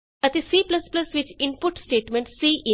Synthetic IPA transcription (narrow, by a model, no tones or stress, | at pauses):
ət̪esiːpləspləsʋɪt͡ʃɪ̃npʊʈsʈeːʈmẽɳʈsiːʔɪ̃